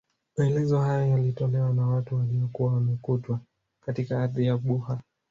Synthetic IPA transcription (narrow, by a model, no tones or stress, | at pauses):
maɛlɛzɔhajɔjalitɔlɛwanawatuwaliɔkuwawamɛkutwa | katikaaðijaɓuha